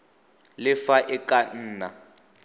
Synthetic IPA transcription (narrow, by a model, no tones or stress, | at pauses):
lɪfaʔɪkʼan̩ːna